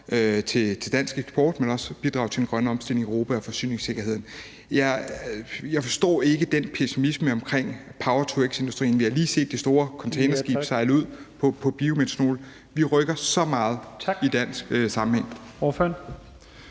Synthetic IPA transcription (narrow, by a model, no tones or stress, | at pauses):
øt͡sʰe̝t͡sʰe̝d̥æn̰sɡ̥eɡ̥sb̥ʰɒ̰ːd̥menɒ̽sb̥id̥ʁɑ̰̈ʊt͡sʰe̝d̥en̩ɡ̥ʁɶnəɒ̽msd̥el̰eŋiʁo̝ːpʰæɒ̽fɒ̽sy̰ːne̝ŋse̝ɡ̥ɐɦe̝ð̰ˠn̩ | j | jɑ̈ɪfɒ̽sd̥ɒ̰ːe̝ɡ̥əd̥enpʰesimisməɒ̽mkʰʁeŋ̰pʰɑ̈ʊɐt͡sʰuɡ̥se̝nd̥u̥sd̥ʁḭːnʋihɑ̈liːse̝̰ːd̥isd̥o̝ːɐkʰɒ̽nt͡sʰeɪnɐsɡ̥ḭ̥ːsɑ̈ɪləuð̞̰ˠpʰɒ̽pʰɒ̽b̥iomed̥sno̝̰ːl | ʋiʁœɡ̥ɐsɒ̽mɑ̈ːð̞̩ˠid̥æn̰sɡ̥sɑ̈mm̩heŋ̰ | føn